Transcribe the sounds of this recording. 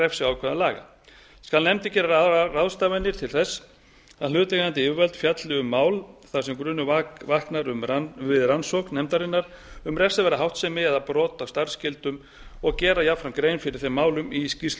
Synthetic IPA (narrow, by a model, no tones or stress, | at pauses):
ɾɛfsɪaːwkʰvɛðalaːɣa̰ | skalnɛmt̪ɪcɛːɾaaraðst̪aːvɛnːɪɾ̥t̪ʰɪlθɛsː | aðlʏːt̪ɛkðant̪ɪɪvɛlt̪fjat̪lɪʏmːaːwlθḁsɛmkɾʏːnːʏvahknaɾʏmvɪðransɔhknnɛmt̪aɾɪnːaɾ̥ | ʏmrɛfsavɛːɾaɦawht̪sɛmɪɛðapɾɔːt̪awst̪aɾr̥scɪlt̪ʏm | ɔɣcɛːɾajafɾankɾeːjnfɪɾɪɾ̥θejmːaːwlʏmiscist̪